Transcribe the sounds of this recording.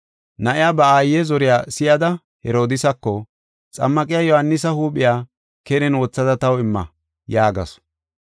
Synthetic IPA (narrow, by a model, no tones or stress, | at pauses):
nɐʔɪjaːbɐaːjːɛzɔɾɪjaːsɪjɐd̪ɐ | hɛɾo̞ːd̪ɪsɐkːɔ | t͡sʼɐ̰mːɐkʼɪjaːjɔhɐnːɪsɐhuːɓʼɪjaː | kɛnɛnoːt͡sːɐd̪ɐt̪ɐwɪmːɐ̰ | jaːɡɐ̰s